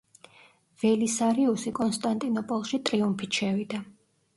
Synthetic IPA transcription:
v̥ɛlisaɾiusikʼɔnst̪ʼant̪ʼinɔpʼɔlˠʃit̪ʼɾiumpʰit̪ʃɛvid̪a

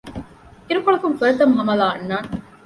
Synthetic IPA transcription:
iɾukoɭɐkuŋfuɾɐt̪ɐmɦɐmɐlaːɐnːaːn

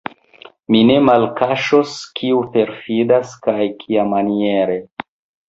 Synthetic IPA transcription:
mine̞malkaʃoskʰiupe̞ɾfidaskajkʰiamanie̞ɾe̞

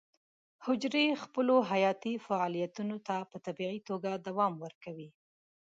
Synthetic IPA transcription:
hʊd͡ʒɾexpəloɦajɑt̪ifaɑlijat̪unot̪apət̪abiʕit̪oɡad̪awɑmwəɾkawi

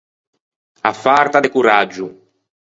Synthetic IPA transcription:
afaɾt̪ad̪ekuɾad͡ʒːu

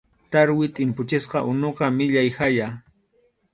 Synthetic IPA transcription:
t̪aɾwɪt̪ʼɪmpʊt͡ʃɪsqɑʔʊnoqɑmɪʎajxaja

